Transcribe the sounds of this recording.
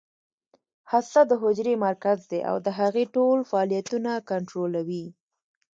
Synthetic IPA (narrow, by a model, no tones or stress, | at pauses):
hast̪ad̪əɦʊd͡ʒɾemaɾkazd̪eʔa̰wd̪əɦaɣeʈolfaɑlijat̪unakaɳʈɾolawi